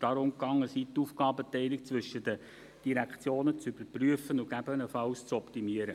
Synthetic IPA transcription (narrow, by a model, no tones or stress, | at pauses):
d̥ɑɾʊmkɑŋːəsitufkɑːbətɛɪlɪkt͡sʋʏʃədə | d̥iɾækχt͡sjoːnət͡syb̥əɾpryəfənʊɡ̥æbənəfɑlst͡sɔptimiəɾə